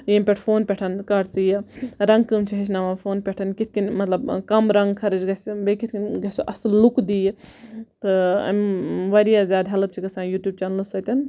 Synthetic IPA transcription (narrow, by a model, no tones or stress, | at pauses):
jemʲpʲeʈʰpʰoːnpʲɛʈʰɐnkɐɖsijɐɾɐ̃ŋɡkɨmt͡ʃʰiɦet͡ʃʰnaːʋapʰoːnpʲeʈʰɐnkit̪ʰkinmɐt̪lɐbkɐmɾɐŋɡkʰɐɾɨt͡ʃɡɐsibekit̪ʰkinɡɐsuʔɐslukd̪ij | t̪ɨɐ̰mʋɐɾijaːzjaːd̪ɦɐlɨb̚t͡ʃʰikɐsãːjuːʈjuːb̚t͡ʃaːnlsɐt̪ʲɐn